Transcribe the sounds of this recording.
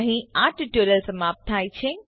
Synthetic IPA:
ɦĩaːʈʰʈoləlsɐmaːp̚t̪ʰaːit͡ɕʰẽ

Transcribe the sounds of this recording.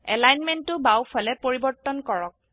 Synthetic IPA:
ɛ̰lajnmɛntʊbawpʰalɛpoɹibɔɹtːɔnkɔɹɔk̚

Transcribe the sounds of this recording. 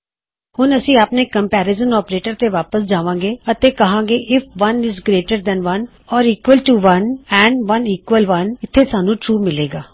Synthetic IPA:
hʊnəsĩːaːpneːkə̃mpɛːɾɪzənɔːpɾeːʈəɾt̪eːʋaːpəsd͡ʒaːʋãːŋɡeːət̪eːkəɦãːŋɡeːʔɪfʰʋənɪzɡɾeːʈəɾd̪ɛ̃ːnʋən | ɔːɾiːkʋəlʈuʋənɛ̃ːɳɖʋəniːkʋəlʋənɪt̪ʰːeːsaːnũːʈɾuːmɪleːɡaː

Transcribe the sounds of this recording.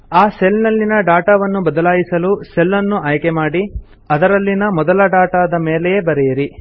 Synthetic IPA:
aːselnɐlːinɐɖaːʈaʋɐnːubɐd̪ɐlaːjisɐluselːɐnːuaːjkemaːɽi | ɐd̪ɐɾɐlːinɐmɔd̪ɐlɐɖaːʈad̪ɐme̞ːlɛjebɐɾɛjɐɾi

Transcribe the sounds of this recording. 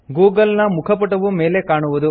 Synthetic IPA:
ɡuːɡɐlnɐmukʰɐp̬ɐʈɐʋume̞ːle̞kaːɳuʋud̪u

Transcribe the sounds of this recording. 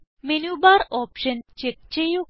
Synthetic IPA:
menubaɾɔpʃənt͡ʃek̚t͡ɕejo

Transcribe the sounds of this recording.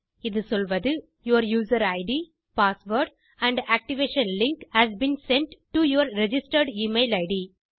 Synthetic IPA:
ɪðɯsɔlʋɐðɯ | juɐɾjuːzɐɾɐɪɖi | paːsʋoːɾɖ | æ̃ɳɖæːk̚ʈɪʋeːʃɐ̃nlɪ̃ŋkhæzbĩːnsɛ̃ɳʈʈːujuɐɾɾɛd͡ʒɪsʈəɾɖimeːlɐɪɖi

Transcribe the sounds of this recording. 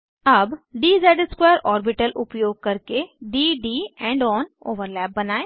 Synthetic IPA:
əbɖiːzɛːɖskwɛːəɾɔːɾbiʈəlʔʊpjoːɡ̚kəɾkeɖiːɖiːɛ̃ːɳɖɔːno̰ːʋəɾlɛːp̚bənaːeː

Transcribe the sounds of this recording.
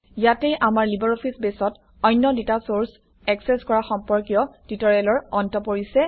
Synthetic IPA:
jatɛjʔamaɹlibɔɹopʰisbesɔt | ɔjnːɔditasoɹs | ɛksɛskɔɹaxɔmpɔɹkijɔtitɔɹialɔɹɔntɔpoɹisɛ

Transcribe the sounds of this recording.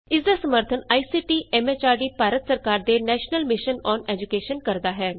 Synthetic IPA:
ɪsd̪aːsəməɾt̪ʰənaːiːsiːʈiːʔɛːmeːt͡ʃaːɖiːpaːɾət̪səɾkaːɾd̪eːnɛːʃnəlmɪʃənɔːnɛːd͡ʒukeːʃənkəɾd̪aːɦɛː

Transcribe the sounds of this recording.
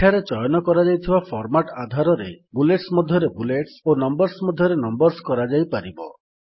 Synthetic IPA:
ʈʰaɾet͡ʃɔjɔnɔkɔɾad͡ʒajt̪ʰibapʰɔɾmaʈad̪ʱaɾɔɾebuleʈsmɔd̪ʱjɔɾebuleʈsonɔmbɔɾsmɔd̪ʱjɔɾenɔmbɔɾskɔɾad͡ʒajpaɾibɔ̰

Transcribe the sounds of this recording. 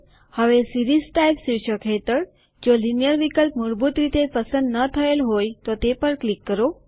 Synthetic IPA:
həʋesiɾiːzʈajbsiɕəkʰɦet̪əɾ | d͡ʑolinjəɾʋikəlpmuɾbut̪ɾit̪epəsənd̪nət̪ʰəelɦojt̪ot̪epəɾklikːəɾo

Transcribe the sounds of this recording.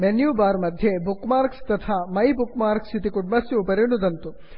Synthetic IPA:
menjubaːɾmɐd̪ʱjebukmaːɾkst̪ɐt̪ʰamɐjbukmaːɾksit̪ikuɖmɐsjuːpɐɾinud̪ɐnt̪u

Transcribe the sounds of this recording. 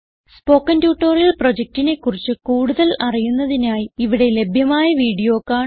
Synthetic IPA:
spo̞ːkːɐndjuːʈːoːrijɐlpro̞d͡ʑek̚tine̞kːurit͡ɕːɨkuːɽuðɐlɐrijunːɐðinaːjiiʋiɽe̞le̞bʱjɐmaːjɐʋiːɽijo̞ːkːaːɳ

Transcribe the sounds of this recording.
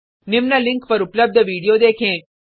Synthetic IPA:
nimnaliŋkpəɾupləb̚d̪ʱəʋiɽijod̪ekʰẽ

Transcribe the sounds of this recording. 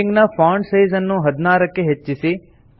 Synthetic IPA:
ɪŋɡnafaːɳɖsiːzənːũːɦəd̪naːɾəkeɦet͡ʃːisi

